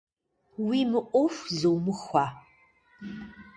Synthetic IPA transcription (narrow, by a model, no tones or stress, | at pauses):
wimɨʔʷʼɔfzɨwmɨxʷa